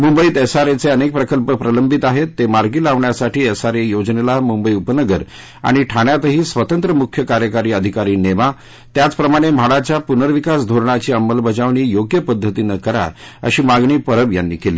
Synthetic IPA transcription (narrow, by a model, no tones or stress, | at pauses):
mumbəiːt̪ɛsaɾet͡seənek̚pɾəkəlpəpɾələmbʱit̪aɦet̪ːemaɾɡiːlaʋɳjasaʈʰiːɛsaɾejod͡znelamumbəiupənəɡəɾ | a̰ɽ̃iʈʰaɳjat̪əɦiːsʋət̪ənt̪ɾəmukʰːjəkaɾjəkaɾiːəd̪ʱikaɾiːneʋa | t̪jat͡spɾəmaɽ̃em̤aɽat͡ɕjapunəɾʋikasd̪ʱoɾɳat͡ɕiːəmːəlbəd͡zaʋɳ̃iːjoɡjəpəd̪ʱːət̪inəkəɾa̰ | ə̰ɕiːmaɡɳiːpəɾəbja̰nːḭːkelḭː